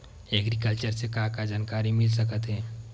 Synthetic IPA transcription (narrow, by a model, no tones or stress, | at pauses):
ɛɡɾik̬əlt͡ʃəɾsekãkad͡ʒaːnkaɾimɪlsəkət̪ɦɛː